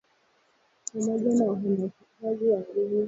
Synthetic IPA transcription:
pamɔʄanawaɦamakikaziwaɗumu

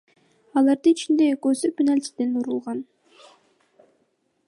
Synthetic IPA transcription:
ɑlˠɑɾd̪ɯit͡ʃind̪e̞køzøpʲːinalʲt̪ʲi̥d̪enuɾulˠʁɑn

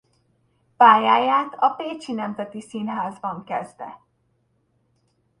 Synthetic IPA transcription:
paːjaːjaːt̪ɒpeːt͡ʃinɛmzɛt̪isinɦaːzbɒŋkɛzd̪ɛ̰

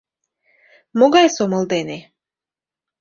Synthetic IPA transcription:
moɡɑjsomɤld̪ene

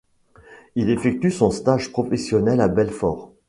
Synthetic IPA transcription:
ilefɛk̚t̪ysɔ̃st̪aʒpχɔfɛsjɔnɛlabɛlfɔːʁ

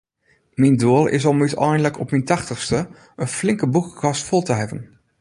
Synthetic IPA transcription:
mindoːlˠɪ̰s̬ɑlˠmytɛjndələkɔpmintɑχtəχstə | ənflɪŋkəbukɣɑstfɔlˠtəɦɛbən

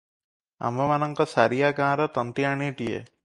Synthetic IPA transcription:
ɐ̰mɐʋɐnɐŋkɐsɐɾijaːkaːɾɐt̪ɐnt̪iaɳiːʈijḛ

